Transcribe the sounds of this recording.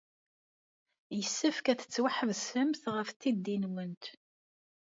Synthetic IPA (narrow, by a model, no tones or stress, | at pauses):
jəsːæfkæθət͡sːwaħəvsəmθʁəfθid̪ːinwənt̪